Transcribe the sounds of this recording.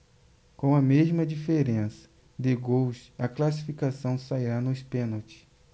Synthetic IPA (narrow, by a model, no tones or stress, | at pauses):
kõw̃ɐmeʒmɐd͡ʒifeɾẽsɐ̥ | d̪ɪɡowʃɐklasi̥fikasɐ̃w̃saiɾanʊɪspẽnot͡ʃɪ̥